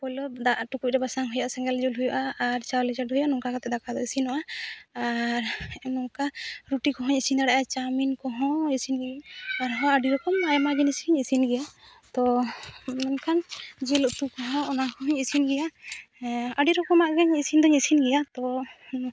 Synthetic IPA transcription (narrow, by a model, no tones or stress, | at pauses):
pɔjlɔd̪aʔʈukuc̚ɾɛbasaŋɦujaʔasɛŋɡɛld͡ʒulɦujaʔaːɾt͡ʃawlɛd͡ʒaɖɦujanɔŋkakat̪ɛd̪akad̪ɔisinɔʔaaɾnɔŋkaɾuʈikɔɦɔɲisind̪aɽaʔat͡ʃaminkɔɦɔ̃isinɡɛaɾɦɔ̃aɖijɔkɔmajmaɡɛnisiɲisinɡɛja | t̪ɔ | nɔnkʰand͡ʒɛlɔʔt̪ukɔɦãɔnakɔɦɔɲisinɡɛja | aɖiɾɔkɔmaʔɡɛɲisind̪ɔɲisinɡɛjat̪ɔ